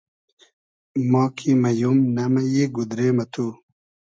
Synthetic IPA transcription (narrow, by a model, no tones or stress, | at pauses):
moːkʰimɐjumnɐmɐjiːɡud̪ɾeːmɐt̪ʰu